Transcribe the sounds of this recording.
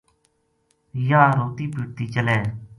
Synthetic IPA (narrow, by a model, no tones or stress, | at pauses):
jaːɾoːt̪iːpiʈ̚t̪iːt͡ʃəleː